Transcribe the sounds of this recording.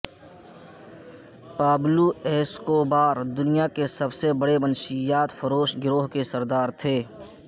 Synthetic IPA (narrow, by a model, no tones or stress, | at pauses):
paːblueːskoːbaːɾd̪ʊnijakesɐbsebəɽebənʃijaːt̪fɐɾoːʃɡɪɾoːɦkesɐɾd̪aːɾt̪ʰeː